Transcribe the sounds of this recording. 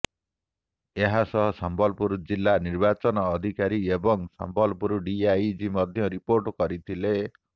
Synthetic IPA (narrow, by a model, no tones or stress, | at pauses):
eɦasɔɦɔsambɔlpuɾd͡ʒilːaniɾbat͡ʃɔnɔːd̪ʱikaɾiebɔŋsa̰mbɔlpuɾɔɖiajd͡ʒimɔd̪ʱjɔɾipoɾʈɔkɔɾit̪ʰile